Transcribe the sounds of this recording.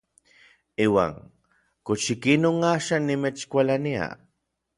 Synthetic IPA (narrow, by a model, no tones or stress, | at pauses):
iːwa̰ːŋ | kot͡ʃikinoŋaʃanːimet͡ʃkʷalania̰